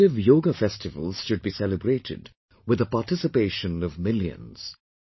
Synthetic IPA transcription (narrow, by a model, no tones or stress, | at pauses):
ɪvjoːɡəfɛstɨvə̰l̩ˠz̥ʃʊd̚bisɛlɨbɾeɪɾʰɪ̰d | wɨðəpaʈɪsɨpeɪʃə̃nʌvmɪljɨ̰̃nz̥